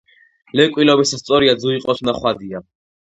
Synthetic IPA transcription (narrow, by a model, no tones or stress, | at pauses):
lɛkʼwilɔbisast̪sʼɔɾiad̪zuiqʼɔsʰnaχwad̪ia